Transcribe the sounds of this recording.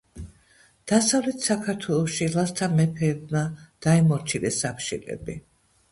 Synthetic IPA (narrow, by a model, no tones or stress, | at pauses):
d̪̥asavlɛt̪ʰsakʰaɾt̪ʰwɛlˠɔʃilˠast̪ʰamɛpʰɛːbmad̪̥aimɔɾt͡ʃʰilɛsakʰʃḭlɛ̰bi